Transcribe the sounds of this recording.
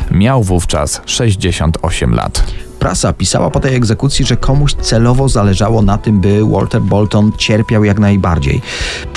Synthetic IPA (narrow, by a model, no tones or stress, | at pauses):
mʲjawvuft͡ʂa̰sʂɛʑd͡ʑeɕɔ̰nt̪ʰɔɕɛmla̰t̪pɾa̰sapʲisa̰wa̰pɔt̪ɛjɛɡzɛkut̪sʲjiʐɛkʰɔmuɕt̪sɛlɔvɔzalɛʐawɔnat̪ɘmbɘwʔɔ̰lt̪ɛɾbɔlt̪ɔnt͡ɕɛɾpʲjawjaknajba̰ɾd͡ʑḛj